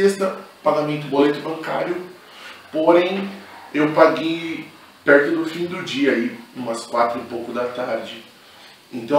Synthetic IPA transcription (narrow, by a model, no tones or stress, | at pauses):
est̪ɐpaɡamẽnt̪ʊbolet̪ʊbɐ̃ŋka̰ɾjʊ | poɾẽj̃ewpaɡej | pɛɾt̪ʊd̪ʊfĩd̪ʊd͡ʒiɐiũmɐskwat̪ɾʊipowkʊd̪ɐt̪aɾd͡ʒɪ | ẽnt̪ɐ̃